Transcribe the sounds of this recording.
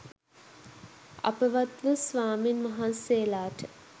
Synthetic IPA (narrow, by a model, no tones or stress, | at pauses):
a̰pəʋat̪ʋəsʋaːminmaɦanseːlaːʈə